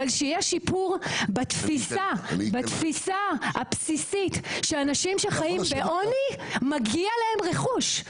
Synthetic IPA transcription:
alʃeijɛʃipuʁbat̪fisabat̪fisaapsisitʃeanaʃimʃeχajimbeʔo̞nimaɡialae̞mʁeχuʃ

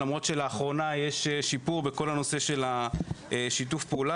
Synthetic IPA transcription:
amʁo̞t̪ʃe̞laːχʁo̞najeʃeʃipuʁbe̞ko̞lano̞se̞ʃe̞la | ʃit̬ufpeula

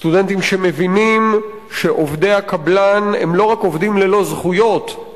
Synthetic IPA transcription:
st̪ude̞nt̪imʃe̞me̞vinim | ʃe̞ʔo̞vd̪e̞jhakablanḛmlo̞ʁako̞vd̪imlelo̞zχujo̞t̪

